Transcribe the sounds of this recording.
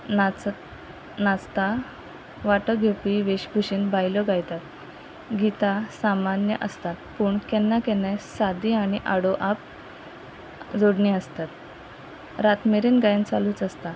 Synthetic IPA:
a | nat͡st̪a | ʋaʈəɡʱewpiʋeɕbʱuɕiːnbajlɔɡajt̪at̪ | ɡit̪asamanjəʔəst̪at̪puːɳkɛnːakɛnesad̪iaɽ̃iʔaɽoʔap̚ | d͡zoɽɳiəst̪at̪ | ɾat̪meɾinɡajnt͡saluːt͡səst̪a

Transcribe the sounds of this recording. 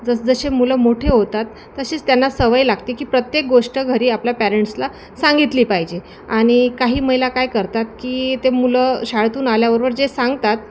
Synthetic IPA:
d͡zəsd͡zəɕemuləmoʈʰeɦot̪at̪ːəɕiːt͡st̪janːasəʋajlaɡ̚t̪ekiːpɾət̪jek̚ɡoʂʈəɡʱəɾiːapljapæɾeɳʈsla | saŋɡit̪liːpaɦid͡ʑe | aɽ̃ikaɦiːməɦilakajkəɾt̪at̪̚kiːt̪emuləɕaɭt̪uːnaljaʋəɾʋəɾd͡ʑesaŋɡt̪at̪̚

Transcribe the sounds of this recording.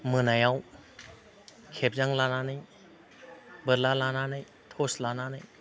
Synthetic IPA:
mɯnajaw | kʰep̚zaŋlananɯj | bɯɾlalananɯj | t̪ʰoslananɯj

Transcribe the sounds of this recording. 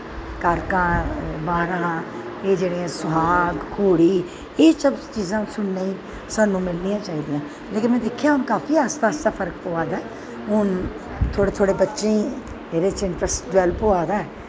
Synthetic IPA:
kaːɾkãːbaːɾãː | eːd͡ʒeːɽeːãːsʊɦaːɡkʰoːɽiː | eːt͡ʃəbt͡ʃiːzãːsʊɳnẽːĩː | saːnːũːmɪlniːãːt͡ʃaːiːd̪ijãː | leːkɪnmɛ̃ːd̪eːkʰjaːɦʊnkaːfʰiːaːst̪aːstaːpʰəɾək̚poːaːd̪aːɛ | ɦʊn | t̪ʰoːɽeːt̪ʰoːɽeːbətːʃẽ | eːɾeːt͡ʃɪɳʈɾəsʈɖʋɛːlpoːaːd̪aːɛː

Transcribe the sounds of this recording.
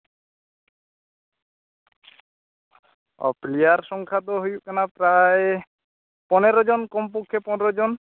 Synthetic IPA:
ɔ̰plijaɾsɔŋkʰat̪ɔɦojuʔkanapɾae | pɔneɾɔd͡ʒɔnkɔmp̬ukʰːepɔneɾɔd͡ʒɔn

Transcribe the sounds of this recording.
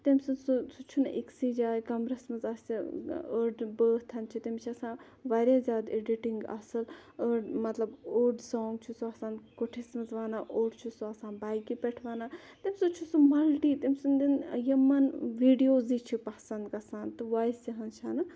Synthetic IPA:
t̪ɐmʲsunsusut͡ʃʰunʔḛksid͡ʒaːjkɐmɾɐsmɐzɐsiəɖbəːɦt̪ʰɐnt͡ʃʰit̪ɐmʲt͡ʃʰiɐsãː | ʋaɾʲjaːzʲjaːd̪eɖiʈiŋɡɐ̰sɐləɖmɐt̪lɐboːɖsɔːŋɡt͡ʃʰusuɐsãːnkoʈʰismɐzʋaːnaːʔoːɖt͡ʃʰusuɐsãːnbaːjkipeʈʰʋaːnaː | t̪imʲsut͡ʃʰusumɐlʈiːt̪imʲsɨnd̪injɐmːɐnʋiːɖijoːzit͡ʃʰipɐsɐnd̪kɐsãːnt̪ɨʋaːisɐɦɐnt͡ʃʰaːnɐ

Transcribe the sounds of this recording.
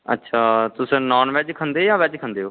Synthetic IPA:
ə̰tːʃʰaːt̪ʊsẽːnɔːnʋɛːd͡ʒkʰənd̪eːjãːʋɛːd͡ʒkʰənd̪eːoː

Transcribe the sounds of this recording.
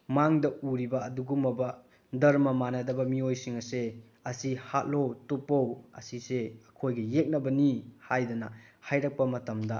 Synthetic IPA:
maŋdɐuɾibɐːduɡumɐbɐ | dɐɾmɐmanɐdɐbɐmiojsiŋɐse | ɐsihat̚lowtupːowɐ̰siseɐkʰojɡɐjek̚nɐbɐnihajdɐnɐhajɾɐk̚pɐmɐtɐmdɐ

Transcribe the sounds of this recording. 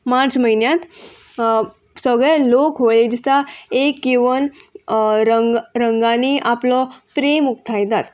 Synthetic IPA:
mãt͡sməɦinjãt̪ | səɡɭɛlokɦoɭed͡ʑist̪aekːiʋən | ɾəŋɡɾəŋɡaniʔaplɔpɾemukt̪ʰajt̪at̪

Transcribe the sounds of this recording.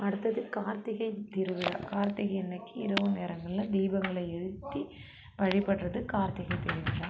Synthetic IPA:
ɐɽɯt̪ːɐðɪlkaːɾt̪ɪɣɐɪt̪ːɪɾɯʋɪɾa̰ːkaːɾt̪ɪɣɐɛnːɐkːɯɪɾɐʋɯneːɾɐŋɡɐɭɪlɐd̪iːbɐŋɡɐɭɐɛɻɯt̪ːi | ʋɐɻɪpːɐʈrɐðɯkaːɾt̪ɪɣɐɪt̪ɪɾɯʋɪɻaː

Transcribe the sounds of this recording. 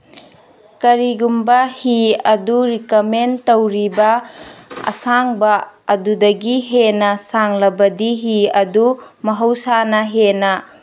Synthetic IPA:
kɐɾiɡumbɐhiɐduɾikomentowɾibɐ | ɐ̰saŋbɐɐdudɐɡiɦenɐsaŋlɐbɐdiɦiɐdumɐɦɐwsanɐɦenɐ

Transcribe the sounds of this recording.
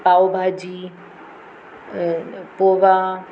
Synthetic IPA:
paːobʱaːd͡ʑi | poːʋa

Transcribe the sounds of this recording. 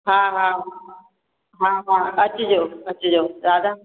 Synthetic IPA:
ɦãːɦãːɦã | ɦãːɦãːɐt͡ɕʊd͡ʑoːɐt͡ɕʊd͡ʑoːzaːd̪a

